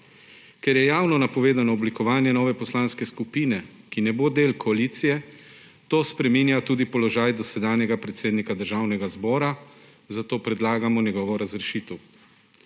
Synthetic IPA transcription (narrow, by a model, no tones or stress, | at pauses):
kɛɾjɛjaːwnɔnapɔʋeːd̪anɔːblikɔʋaːnjɛnɔːʋɛpɔslaːnskɛskupiːnɛkinɛboːd̪eːlkʰɔaliːt̪sijɛ | t̪oːspɾɛmiːnjat̪uːd̪ipɔlɔʒaːjd̪ɔsɛd̪aːnjɛɡapɾɛt̪seːd̪nikad̪əɾʒaːwnɛɡazbɔːɾa | zat̪oːpɾɛd̪laːɡamɔnjɛɡɔːʋɔɾazɾɛʃiːt̪ɛw